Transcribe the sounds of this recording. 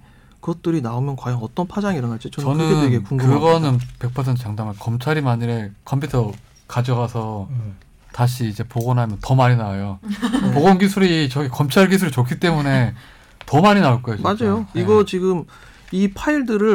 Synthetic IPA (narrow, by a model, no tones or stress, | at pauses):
kɯʌt̚t͈ɯɾinaomjʌnkwajʌŋʌt͈ʌnpʰad͡ʑaŋiɾʌnat͡ɕ͈it͡ɕʌnɯʌnɯeeɡekuŋɡkɯɡʌnɯnpe̞k̚pʰʌsʰentʰt͡ɕaŋdamankʌmt͡ɕʰaɾimaɲiɾe̞kʰʌmpʰutʰʌ | kad͡ʑʌɡasʰʌ | taɕ̬ʰiːd͡ʑe̞poɡonɦamjʌntʌmaɾinajopoɡonɡisʰuɾit͡ɕʌɡikʌmt͡ɕʰaɭɡisʰuɾit͡ɕokʰit͈e̞mune̞ | tʌmaɲinaoɭk͈ojod͡ʑmad͡ʑajoiɡʌt͡ɕiɡɯm | ipʰaiɭdɯɾɯ